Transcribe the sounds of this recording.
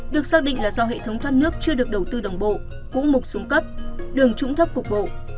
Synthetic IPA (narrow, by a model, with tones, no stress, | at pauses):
ɗɨ˨˩ək̚saː˦˥k̚ɗḭ˧˨ŋ̟laː˨˩zaː˧wɦḛ˧˨t̪ʰə˨˦wŋ͡mt̪waː˧nnɨ˦˥ək̚t͡ɕɨ˧əɗɨ˨˩ək̚ɗə˨˩wt̪ɨ˧ɗə˨˩wŋ͡mɓo̰˧˨ | kṵ˧˥mʊ˨˩t̚sʊ˨˦ŋ͡mkə˦˥p̚ɗɨ˨˩əŋt͡ɕʊ̰˧˥ŋ͡mt̪ʰə˦˥p̚kʊ˨˩k͡p̚vo̰˧˨